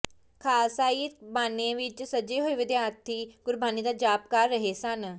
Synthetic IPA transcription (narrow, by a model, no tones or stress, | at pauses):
kʰaːsaːit̪baːnẽʋit͡ʃsəd͡ʒeɦoːiʋɪd̪jaːt̪ʰːiɡʊɾbʱaːnid̪ad͡ʒaːp̚kaːɾːɐɦesɐn